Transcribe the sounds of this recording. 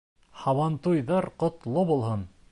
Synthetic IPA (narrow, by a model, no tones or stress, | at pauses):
hɑwɑnt̪ujðɑɾqŏt̪lˠobulˠhɤn